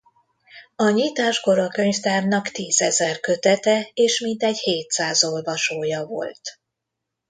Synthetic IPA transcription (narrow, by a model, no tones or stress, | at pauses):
ɒɲiːt̪aːʒɡo̞ɾɒkø̞ɲft̪aːrnɒkt̪iːzɛzɛrkø̞t̪ɛt̪ɛeːʃmint̪ɛɟheːt̪saːzo̞lvɒʃoːjɒvo̞̰lt̪